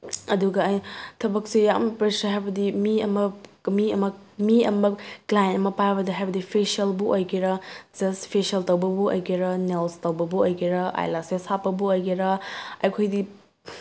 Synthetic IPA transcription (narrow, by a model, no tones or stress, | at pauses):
ɐduɡɐːjtʰɐbɐk̚sijampɾesɐɦajbɐdimiɐmɐmiɐmɐmiɐmɐklajentɐmɐpajbɐdɐɦajbɐdipʰesiɐlbuʔojɡiɾɐd͡ʒɐspʰesɐltɐwbɐbuo̰jɡiɾɐnelstɐwbɐbuojɡiɾɐʔa̰jlasesapːɐbuojɡiɾɐɐjkʰojdi